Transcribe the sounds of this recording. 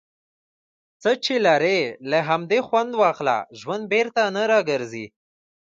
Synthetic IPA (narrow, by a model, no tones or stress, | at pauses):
t͡sət͡ʃelaɾelaɦamd̪exwand̪wɑxla̰ʒwand̪̚beɾt̪anəɾɑɡəɾzḭ